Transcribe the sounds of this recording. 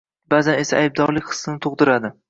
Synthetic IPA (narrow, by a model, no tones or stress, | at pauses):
bazane̞saajb̚d̪ɒɾlɪkʲχɨ̥sːɨnɪt̪ʰoʁd̪ɪɾad̪ɪ